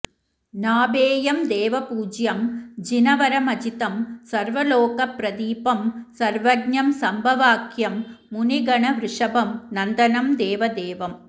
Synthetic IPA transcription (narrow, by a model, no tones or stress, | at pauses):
naːbeːjɐmd̪eːʋɐpuːd͡ʒjɐmd͡ʒɪnɐʋɐɾɐmɐd͡ʒɪt̪ɐmsɐɾʋɐloːkɐpɾɐd̪iːpɐmsɐɾʋɐɡɲɐmsɐmbʱɐʋaːkʰjɐmːʊniɡɐɳɐʋɾɪʂɐbɐmnɐnd̪ɐnɐmd̪eːʋɐd̪eːʋɐm